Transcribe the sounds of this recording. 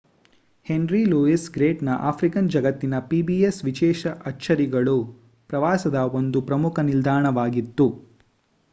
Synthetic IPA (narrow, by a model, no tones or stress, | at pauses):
he̞nɾiluisɡɾeːʈnɐʔaːpʰɾikɐnd͡ʒɐɡɐt̪ːinɐpibiesʋiʃɛːʃɐʔɐt͡ʃʰːɐɾiɡɐɭu | pɾɐʋaːsɐd̪ɐo̞nd̪upɾɐmukʰɐnild̪ʱaːɳɐʋaːɡit̪ːu